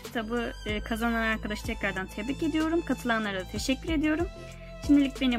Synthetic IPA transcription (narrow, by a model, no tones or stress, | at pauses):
t̪ʰabuɯːkʰazananaɾkʰad̪aʃt̪ʰɛclʲaɾd̪ant̪ʰeblice̞d̪ijo̞ɾumkʰat̪ʰɯlˠanlˠaɾad̪at̪ʰe̞ʃɛcʲːyɾe̞d̪ijo̞ɾum | ʃimd̪ilʲicbe̞ni